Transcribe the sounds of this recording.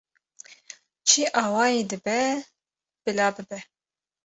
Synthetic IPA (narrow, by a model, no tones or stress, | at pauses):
t͡ʃʰiʔɑːwɑːjeːd̪ɨbɛ | b̥ɨlɑːbɨbɛ